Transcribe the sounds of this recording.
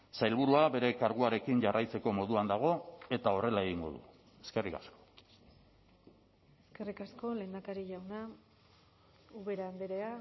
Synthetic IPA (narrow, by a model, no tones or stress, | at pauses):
sajlβuɾuaβe̞ɾe̞kaɾɣuaɾe̞kiɲʝarʔajt͡se̞ko̞mo̞ðuand̪aɣ̞o̞e̞t̪ao̞re̞lae̞ɣiŋɡo̞̰ðṵ | e̞ske̞rikasko̞̥ | e̞ske̞rikasko̞le̞nd̪akaɾiʝawna | uβe̞ɾaːnd̪eɾea